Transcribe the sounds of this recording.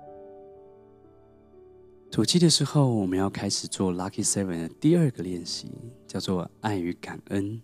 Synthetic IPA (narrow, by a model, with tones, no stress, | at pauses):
t̪ʰu˨˩t͡ɕi˥˩d̪ə˨ʂɻ̩˧˥xo˥˩ʊwɔ˨˩mə̃˦njɑ˥˩ʊkʰa˥ɪʂɻ̩˨˩t͡swɔ˥˩la˦˥kʰi˥˩sə˥wə˨˩nd̪ə˦t̪i˥˨ə˞˥˩ɡə˩ljɛ˥˩nɕḭ˧˨˦t͡ɕjɑ˥˧ʊt͡swɔ˥˧a˥˩ɪy˧˥ka˨˩nə˦n